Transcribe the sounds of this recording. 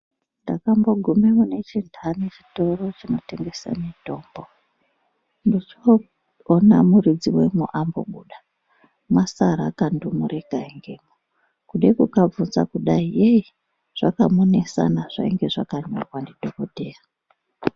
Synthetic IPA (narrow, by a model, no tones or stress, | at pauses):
ndakambo̞ɡʱumemune̞t͡ʃindʱanet͡ʃi̥to̞ro̞t͡ʃino̞te̞ŋɡesa̰mito̞ːmbo | ndit͡ʃoː | namuɾid͡ziwemuʔambo̰ɓuɗa | masaɾakandumuɾe̞ɡʱaiŋɡe̞ːmo | kuɗekukab͡vunza̰kuɗaiei | ʐ̥akamonesa̰naʐ̥a̰iŋɡe̞ʐakaɲo̰rwandidʱoko̞te̞ːra